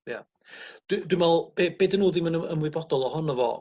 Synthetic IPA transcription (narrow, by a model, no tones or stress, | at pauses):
ja̰ | d̥wdwɪmvɛlˠb̥eb̥eːdənoːðɪmənəə̰mwɪbɔdɔlˠɔhɔnɔvɔ̰